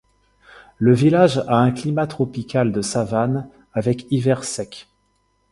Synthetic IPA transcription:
ləvilaʒaɛ̃klimat̪χɔpikald̪əsavan | avɛkivɛʁsɛk

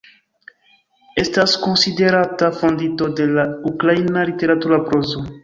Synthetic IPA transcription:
est̪askõnsid̪eɾat̪afõnd̪it̪od̪elauklajnalit̪eɾat̪uɾapɾozo

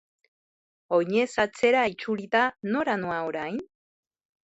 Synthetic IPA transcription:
oɲesat͡seɾaejt͡ʃuɾit̪anoɾanoaoɾajn

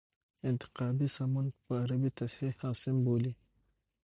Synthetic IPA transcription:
inti̥qaːbisamunpaːɾabitasihasimboli

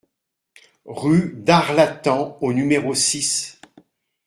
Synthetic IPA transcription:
ʁyd̪aʁlat̪ɑ̃onymeʁosis

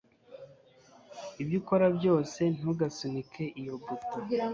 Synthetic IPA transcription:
ibjiko̞ɾabjo̞ːse̞n̥uɡasunikʰe̞ʔijobuto̥ia

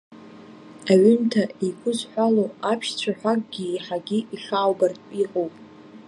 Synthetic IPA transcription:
aɥʏntʰaikʷʰʼʊzħʷᶣaloapʰʃt͡ɕʷʰaħʷᶣakʼɡʲiːħaɡʲiʔiɬaːwbartʼiqʼowpʼ

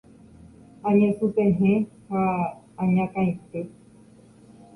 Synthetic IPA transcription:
ãɲẽsupeɦẽhãː | ɲãkãĩt̪e

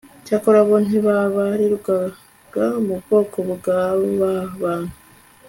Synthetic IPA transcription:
cakoɾaβoneβaβaɾiɾuɡa | ɡamuββo̞ːkoβuɡaβoβaβanu

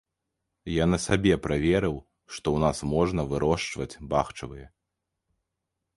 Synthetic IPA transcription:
janɐsabʲɛpɾavʲɛɾɨw | ʂt̪ɔwnasmɔʐnɐvɨɾɔʂt͡ʂvɐt͡sʲbaxt͡ʂɐvɨjɛ

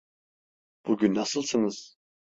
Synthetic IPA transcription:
b̥uɡʲynːasɨlˠsɨnɨz̥

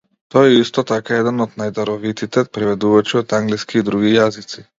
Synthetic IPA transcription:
t̪ɔjɛist̪ɔt̪akajɛd̪ɛnɔd̪najd̪aɾɔʋit̪it̪ɛt̪̚pɾɛʋɛd̪uʋɔt͡ʃiɔt̪aŋɡliskid̪ɾuɡijazit̪t͡s̪i

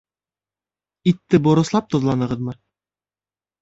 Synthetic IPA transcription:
it̪ːɘbŏɾɤ̆slˠɑp̚t̪ŏðlˠɑnɤ̆ʁɤðmɤ

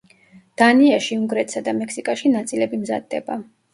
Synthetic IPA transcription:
d̪̥aniaʃiuŋɡɾɛt̪ʼsad̪amɛksikʼaʃinat̪sʼilɛbimza̰d̪ːɛba

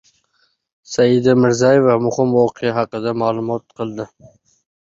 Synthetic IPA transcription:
sajɪd̪amɪɾzɑjevɑmʊhɪmwɒqʰɨjaɦɑqɨd̪amaːlˠʊmɒt̪̚qʰɨlˠd̪ɪ

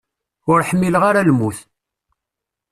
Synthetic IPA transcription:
ʊɾħəmːiləʁaɾalmuθ

